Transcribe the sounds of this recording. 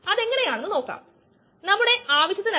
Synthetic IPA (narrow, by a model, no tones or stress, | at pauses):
ɐðe̞ŋːɐne̞jaːɳenːɨno̞ːkːa̰ːm | nɐmːuɽe̞ʔaːʋɐɕjɐt̪ːin